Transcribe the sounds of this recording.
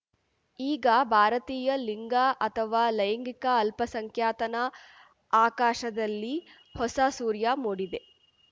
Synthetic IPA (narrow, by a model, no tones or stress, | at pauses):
iːɡɐbʱaːɾɐt̪iːjɐliŋɡaːʔɐt̪ʰɐʋaːlɐjɐŋɡikɐːlpɐsɐŋkʰjaːt̪ɐnɐ | aːkaːʃɐd̪ɐlːi | hɔsasuːɾjaːmoːɽid̪e̞